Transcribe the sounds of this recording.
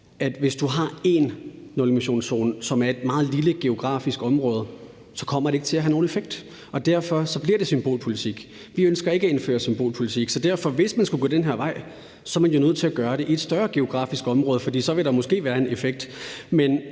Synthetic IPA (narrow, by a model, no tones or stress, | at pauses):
æd̥ʋe̝sd̥uɦɑ̈e̝nːolmiɕo̝̰ːnso̝̰ːnsɒ̽mæɐe̝d̥̚mɑ̈ːð̞̩ˠliləɡ̥e̝o̝ɡ̥ʁɑ̰̈ːfisɡ̥ɒ̽mʁɔ̽ːð̞ˠ | sɒ̽kʰɒ̽m̰ɐɾee̝ɡ̥ət͡sʰe̝æɦæno̝ːnefeɡ̥̚d̥ | ɒ̽d̥æɐfɒ̽sɒ̽b̥liɐd̥e̝symb̥o̝̰ːlpʰo̝lit͡sʰiɡ̥ | ʋiønsɡ̥ɐe̝ɡ̥æe̝nfø̰ːɐsymb̥o̝ːlpʰolit͡sʰiɡ̥sɒ̽d̥æɐfɒ̽ʋe̝smænsɡ̥uɡ̥o̰ːd̥enɦeɐ̰ʋɑ̈ɪ̰ | sɒ̽ɐmænjo̝nøð̞̰ˠt͡sʰe̝æɡ̥ɶːɐɾe̝ʔied̥sd̥ɶːɐɡ̥e̝o̝ɡ̥ʁɑ̰̈ːfisɡ̥ɒ̽mʁɔ̽ːð̞ˠfɒ̽d̥ḭːsɒ̽ʋe̝ɾ̥ɑmɔ̽sɡ̥e̝̰ːʋæːɐe̝nefeɡ̥̚d̥men